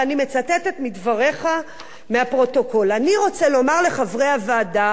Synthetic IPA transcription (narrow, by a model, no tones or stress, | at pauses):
anime̞t͡sat̪et̪et̪midvaʁe̞χa | meapʁo̞to̞ko̞laniʁo̞t͡selo̞maʁle̞χavʁejavaːda